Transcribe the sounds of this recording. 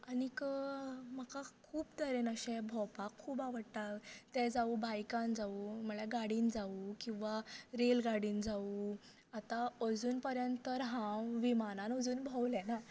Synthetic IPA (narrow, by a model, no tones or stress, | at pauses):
anikəməkakʰuːbd̪əɾenəɕɛ̃bʱɔpakʰːuːbaʋəɽʈatt̪ɛ̃d͡zaubajkãnd͡zaum̤əɭɛɡaɽiːnd͡zaukĩw̃ʋaɾelɡaɽiːnd͡zau | at̪aəd͡zuːnpəɾjənt̪t̪əɾɦãʋimanãnəd͡zuːnbʱɔwlɛ̃na